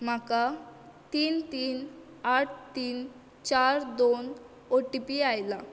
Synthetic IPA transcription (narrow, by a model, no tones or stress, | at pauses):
m̤akat̪iːnt̪iːn | aʈ̚ʰt̪iːn | t͡ɕaɾd̪on | oʈipiajla